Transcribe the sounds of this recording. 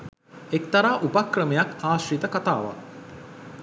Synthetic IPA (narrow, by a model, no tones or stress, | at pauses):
ekt̪ɐɾaːʔupakrəmejakaːʃrit̪əkat̪a̰ːʋa̰